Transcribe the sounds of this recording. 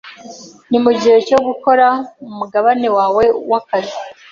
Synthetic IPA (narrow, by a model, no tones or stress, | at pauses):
nimuɟihe̞co̞ɡuko̞ɾaumuɡaβane̞waːwe̞wakazi